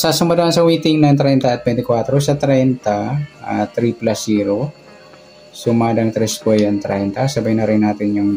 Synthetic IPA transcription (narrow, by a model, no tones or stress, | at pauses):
sɐsʊmbɐd̪ɐɐnsɐwiːt̪ɪŋnɐŋt̪ɾɛjnt̪ɐʔɐt̪̚bɛnt̪ɪkwaːt̪ɾosɐt̪ɾɛjnt̪ɐʔat̪ɾiplɐsiːɾo | sʊmaːd̪ɐŋt̪ɾɛskɛjɐnt̪ɾɛ̰jnt̪ɐsɐbɐjnɐɾɪŋnaːt̪ɪnjʊŋ